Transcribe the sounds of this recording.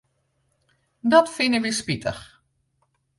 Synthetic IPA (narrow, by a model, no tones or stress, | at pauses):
dɔtfɪnəʋispitʰə̰x